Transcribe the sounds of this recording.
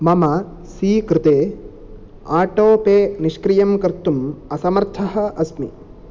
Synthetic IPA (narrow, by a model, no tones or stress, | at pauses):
mɐmɐ | siːkɾɪt̪eː | aːʈoːpeːniʃkɾijɐmkɐɾt̪ːumɐsɐmɐɾt̪ʰɐɦɐ̆ʔɐsmḭ